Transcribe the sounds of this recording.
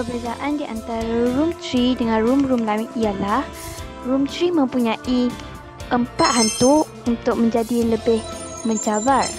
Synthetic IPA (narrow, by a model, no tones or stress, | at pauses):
pəbəzaʔandiʔant̪aɾaɾumt̪ɾidəŋãnrumrumlawɪt̪ijalah | rumt̪ɾimə̃mpuɲãʔi | ʔəmpaʔ̪ɦant̪ʊ | unt̪ʊk̚mə̃ɲd͡ʒadiləbɪh | mə̃ɲd͡ʒabat̚